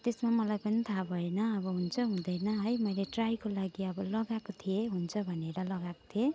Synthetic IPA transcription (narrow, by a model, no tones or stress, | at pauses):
t̪esmamʌlajpʌnit̪ʰabʱʌenʌːβʌɦunt͡sʰʌɦũd̪ʌjnʌɦʌjmʌjleʈrajkolaɡiʌbʌlʌɡakot̪ʰijeɦunt͡sʰʌbʱʌneɾʌlʌɡako̥t̪ʰije